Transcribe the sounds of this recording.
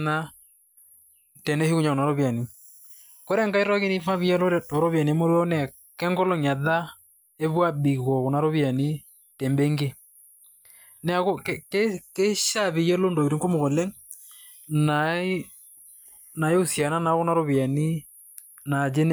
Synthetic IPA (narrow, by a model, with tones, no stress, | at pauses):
na˦ | tɛ˨nɛ˦hi˦ɣu˦ɲa˨o˨na˨ɾo˦βja˨ni˨ | ko˦ɾɛ˦ŋɡa˦i˦ɾa˦ke˦ni˦fa˦βi˦jɛ˦lo˦ɾɛ˦tɔ˨ɾɔ˦βja˨ni˨e˦mo˦ɾɔ˦nɛ˨ | kɛ˦ŋɡɔ˦lɔ˦ɲa˨ða˦ | e˦βwa˦bi˨ɣɔ˨ɣo˨na˨ɾo˦βja˨ni˦ | tɛ˨mbɛ˦ŋɡe˦ | nɛ˨a˨ɣo˦kkeke˦ʃa˦˨βi˨jɛ˦lo˦ndo˨i˨ɾi˨ŋko˦mo˨ɣɔ˨lɛ˦ŋ | na˨˦ | na˨jo˦sja˨na˦na˨ɣo˦na˦ɾo˦βja˨ni˦ | na˨d͡ʒe˦n